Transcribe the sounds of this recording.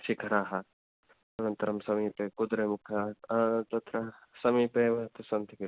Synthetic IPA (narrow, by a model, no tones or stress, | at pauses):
ʃikʰɐɾaːɦɐ | ɐnɐnt̪ɐɾɐmsɐmiːpeːkud̪ɾeːmukʰɐt̪ɐt̪ɾɐsɐmiːpeːʋɐt̪ɐsɐnt̪iki